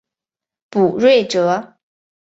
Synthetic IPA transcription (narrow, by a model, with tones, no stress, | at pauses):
pu˨˩ɻwe˥˩ɪʈ͡ʂɤ˨˧˦